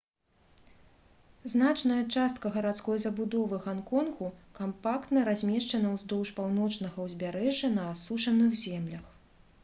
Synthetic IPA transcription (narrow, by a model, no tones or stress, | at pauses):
znat͡ʂnɐjɐt͡ʂast̪kɐɣɐɾat̪skɔjzɐbud̪ɔvɨɣankɔnɣukampakt̪nɐɾazʲmʲɛʂt͡ʂɐnɐwzd̪ɔwʂpawnɔt͡ʂnɐɣɐwzʲbʲaɾɛʐːɐnɐasuʂɐnɨɣzʲɛmlʲɐx